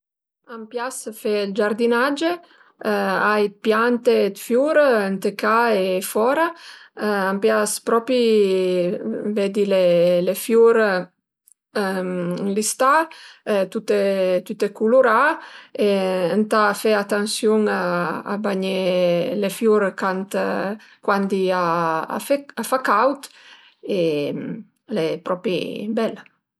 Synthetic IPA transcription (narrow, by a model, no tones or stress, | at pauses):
ampjasfɛld͡ʒaɾd̪inad͡ʒe | aj̪pjant̪ed̪fjuɾənt̪əkaefɔɾa | ampjaspɾɔpi | vɛd̪ilelefjuɾ | list̪a | t̪ut̪et̪ut̪ekuloɾaeənt̪afɛat̪ansjuŋaa̰baɲelefjuɾkant̪kwand̪iaa̰fafakawt̪ | e | lepɾɔpḭbɛl